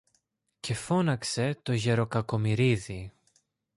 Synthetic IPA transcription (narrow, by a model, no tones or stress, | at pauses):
ce̞fo̞nɐkse̞t̪o̞ʝe̞ɾo̞kɐko̞miɾiði